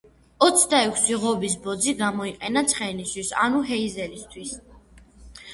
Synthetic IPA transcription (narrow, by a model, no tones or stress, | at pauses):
ɔt̪sʰd̪aɛkʷʰsiʁɔbis̬bɔd̪ziɡamɔiqʼɛnat̪sʰχɛniswisa̰nuɦɛizɛlist̪ʰwis